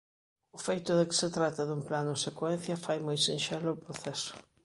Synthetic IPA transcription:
ʊfejt̪ʊðɪkɪ̥set̪ɾat̪ɐðumplanʊsekwɛn̟θjɐfajmojsẽnʃɛlʊʊpɾoθɛsʊ̥

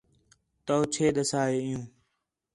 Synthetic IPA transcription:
t̪oːt͡ʃʰeːɗ̪əsaːeːɪjũː

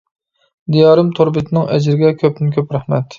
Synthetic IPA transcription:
d̪ijɑːɾɨmt̪ʰoɾbɪt̪ʰɪnɪŋɛ̰d͡ʒɾɪɡʲɛkʲʰøp̚nɪnkʲʰøpɾæχmɛ̰t̪

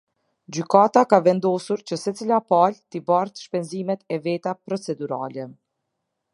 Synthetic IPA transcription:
d͡ʑykat̪akavɛnd̪ɔsuɾt͡ɕəsɛt͡silapalt̪ibaɾt̪ʃpɛnzimɛt̪ɛvɛt̪apɾɔt͡sɛd̪uɾa̰lɛ

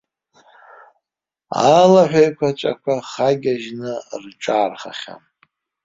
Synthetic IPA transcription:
alaħᶣʷajkʷʰat͡ʃʷʼa̰kʷʰaχaɡʲaʒnɨrʈ͡ʂʼaːrχa̰χʲa̰m

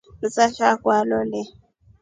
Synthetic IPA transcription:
m̩saʃakwalɔlɛ

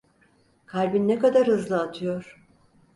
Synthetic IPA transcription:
kʰaɾbinːekad̪aɾhɯzlˠɯat̪ʰɯjoɾ̥

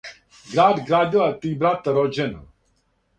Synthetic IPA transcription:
ɡɾaːd̪ɡɾaːd̪ilat̪iːbɾat̪aɾod͡ʒɛna̰

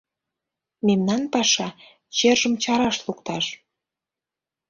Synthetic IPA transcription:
memnɑnpɑʃɑ | t͡ɕerʒəmt͡ɕɑɾɑʃlukt̪ɑʃ

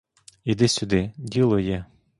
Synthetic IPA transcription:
id̪ɪsʲʊd̪ɪdʲilˠɔjɛ

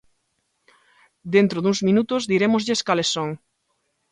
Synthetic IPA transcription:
d̪ent̪ɾoðuŋzmĩnut̪ʊzd̪iɾemʊzʎeskalesːõŋ

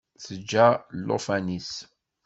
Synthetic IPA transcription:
θəd͡ʒːalːo̰fænis

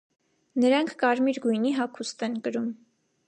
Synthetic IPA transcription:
nəɾɑŋkʰkɑɾmiɾɡujniɦɑkʰust̪ɛnkəɾum

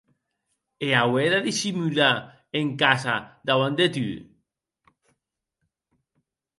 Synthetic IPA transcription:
eaweðaðisimyla | eŋkasad̪awand̪et̪y

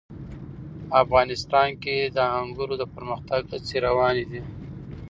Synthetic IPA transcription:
afɣɑnɪst̪ɑnked̪əaŋɡuɾod̪əpəɾməxt̪aɡt͡seɾawɑned̪i

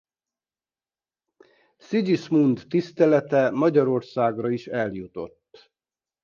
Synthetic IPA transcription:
siɟismund̪ːist̪ɛlɛt̪ɛmɒɟɒɾo̞rsaːɡrɒiʃɛljut̪o̞̰t̪ː

